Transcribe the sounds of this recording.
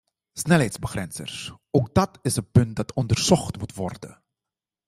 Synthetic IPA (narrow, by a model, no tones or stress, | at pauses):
snɛlɦɛjtsbəχrɛnsə̰rs | oːk̚dɑtɪsəpɵnt̚dɑtʰɔndərz̥ɔχtmutʋɔrdə̰